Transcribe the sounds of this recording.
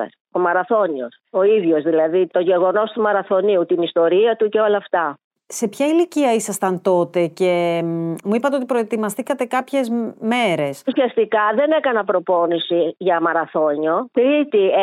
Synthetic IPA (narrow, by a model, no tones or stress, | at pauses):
omɐɾɐθo̞nioso̞iðʝo̞zðilɐðit̪o̞ʝe̞ɣo̞no̞st̪umɐɾɐθo̞niut̪inist̪o̞ɾiɐt̪uce̞o̞lɐːft̪ɐ | se̞pçɐiliciɐisɐst̪ɐnt̪o̞t̪e̞ce̞muipɐt̪eot̪ipɾo̞et̪imɐst̪ikɐt̪e̞kɐpçe̞zme̞ɾe̞susiɐst̪ikɐðe̞ne̞kɐnɐpɾo̞po̞nisiʝɐmɐɾɐθo̞ɲo̞t̪ɾit̪i